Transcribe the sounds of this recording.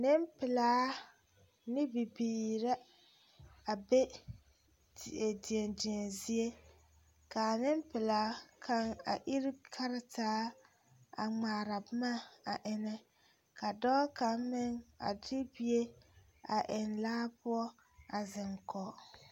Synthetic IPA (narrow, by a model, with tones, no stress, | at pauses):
nɪ˦mpɪ˨laː˦ | nɪ˦bɪ˨biː˨ɾa˦ | a˨be˦ | te˨di˨e˨ndi˨e˨nzi˦e˦ | ka˨nɪ˦mpɪ˨laː˨˦kʰa˦ŋa̰˨ʔi˦ɾi˦kʰa˦ɾɪ˦taː˦ | a̰˨ŋ͡maː˨ɾa˨bɪ˦ma˦a˨ʔɪ˨nɛ˦ | ka˨dɔ˦ka˨mmɪ˦ŋa̰˨dɪ˦bi˦e˦ | a˨ʔɪ˨nlaː˦pʊ˦ɔ˦ | a˨zɪ˨ŋkʰɔ˨